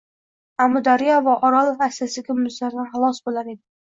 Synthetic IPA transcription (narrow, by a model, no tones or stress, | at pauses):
amʊd̪aɾijɒvaʔɒɾalˠasasɪɡʲamʊzlaɾd̪anχɑlˠɒsbolaɾe̞d̪ɪ